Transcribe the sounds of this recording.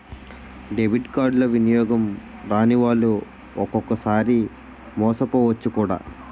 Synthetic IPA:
ɖeʋiʈkaːɾɖlɐʋinijɔːɡɐm | ɾaːniʋaːɭːu | ɔkɔkɐsaːɾi | mɔːsɐpoːʋɐt͡ʃːukuːɽa̰ː

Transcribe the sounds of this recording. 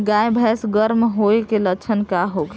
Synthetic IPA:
ɡajbʱɛsɡəɾmɦoekelət͡ʃʰənkaɦoɡ

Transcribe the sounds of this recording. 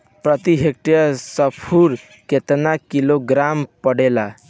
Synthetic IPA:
pɾət̪iɦek̚ʈijəsəpʰuɾ | ket̪nakiloɡɾampəɽela

